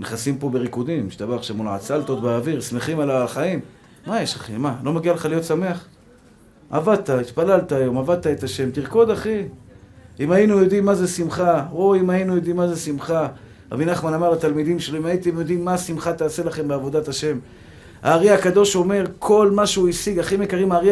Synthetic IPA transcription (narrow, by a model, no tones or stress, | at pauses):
neχasimpo̞be̞ʁikud̪imʃt̪abaaχʃavmulʕa̰t͡salt̪ot̪beaviʁsme̞χimalalaχaim | majeʃaχimalo̞maɡialeχalijo̞t̪same̞aχ | a̰vad̪̚t̪ait̪palalt̪aːjo̞mavad̪̚t̪ae̞t̪aʃe̞mt̪iʁko̞d̪aχi | imajinujo̞d̪imːazesimχao̞imainujo̞d̪imːaze̞simχa | ʁa̰binaχmanamaʁlat̪almid̪imʃeloimait̪emjo̞d̪imːasimχat̪aːse̞laχe̞mbeavo̞d̪at̪aʃe̞m | ha̰ːʁiakad̪o̞ʃo̞me̞ʁkʰo̞lmaʃeuisiɡaχime̞kaʁimaːʁi